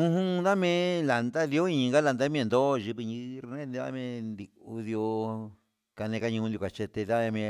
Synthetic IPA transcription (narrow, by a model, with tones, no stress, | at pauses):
ũ˧ɦũ˦˧nd̪a˦mẽ˦˧˦la˨nd̪a˦li˧o˦ĩ˦˧ŋɡa˦la˧nd̪a˦mĩ˦ẽ˧nd̪o˦˧ʒi˧βi˧ɲĩ˧ɾi˧nẽ˦nd̪i˧βa̰˦mẽ˧nd̪i˧u˧d̪jo˧ | ka˧nẽ˧ka˧ɲũ˧nju˧kʷa˨t͡ʃe˧t̪e˧ða˦e˧mẽ˧